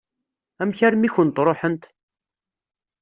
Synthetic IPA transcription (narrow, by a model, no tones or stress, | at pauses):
æmçæɾmiçənt̪ɾˤoħənt̪